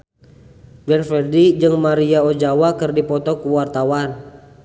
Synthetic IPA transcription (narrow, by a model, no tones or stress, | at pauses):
ɡɛnfɛdid͡ʒɨŋmaɾiaod͡ʒawakɨrdipɔt̪ɔkuwart̪awan